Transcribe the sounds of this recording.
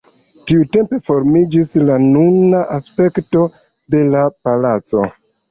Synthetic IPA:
tiute̞mpe̞fo̞ɾmid͡ʒislanunaʔaspe̞kto̞ | de̞lapalat͡so̞̰

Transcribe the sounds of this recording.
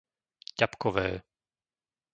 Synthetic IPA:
capkɔvɛː

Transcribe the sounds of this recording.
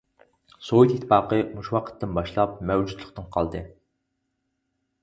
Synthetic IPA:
soit̪ʰit̪ʰːfɑːqəmuʃwɑqʰə̥t̪ʰːɪnbɑʃlˠɑp̚mæwd͡ʒut̪lˠəχt̪ɨnqʰɑlˠd̪ɨ

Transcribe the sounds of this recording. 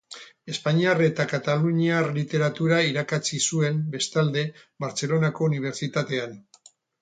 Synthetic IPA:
e̞spaɲiare̞t̪akat̪aluɲiarlit̪e̞ɾat̪uɾaiɾakat͡sisue̞mbe̞st̪ald̪e̞βaɾt͡se̞lo̞nako̞uniβ̞e̞ɾt͡sit̪at̪e̞an

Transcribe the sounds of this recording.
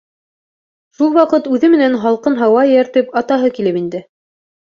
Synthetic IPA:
ʃulˠwɑqɤt̪ʉðɘmɘ̆nænɦɑlˠqɤnɦɑwɑjæɾt̪ɘpɑt̪ɑɦɤkilɘpind̪ɘ

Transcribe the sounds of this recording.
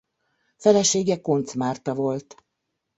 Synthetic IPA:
fɛlɛʃeːɡɛko̞nt̪smaːrt̪ɒvo̞lt̪

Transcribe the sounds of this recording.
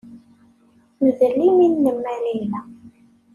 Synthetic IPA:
məðəlːiminːəmːælilːæ

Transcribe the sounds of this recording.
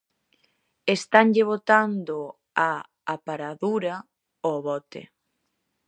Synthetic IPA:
est̪aŋʎɪβ̞ot̪and̪o | aː | paɾaðuɾa | oβɔt̪ḛ

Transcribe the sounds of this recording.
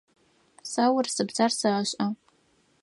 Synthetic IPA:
sawʊrsɨbzarsaʕːɕʼa

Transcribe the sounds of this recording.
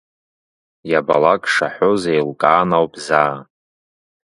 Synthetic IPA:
jabalakʼʂaħʷozejlkʼaːnawpʼzaː

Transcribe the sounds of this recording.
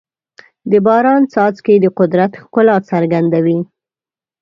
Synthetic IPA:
d̪əbɑɾɑnt͡sɑt͡sked̪əqʊd̪ɾat̪xkʊlɑt͡saɾɡand̪awi

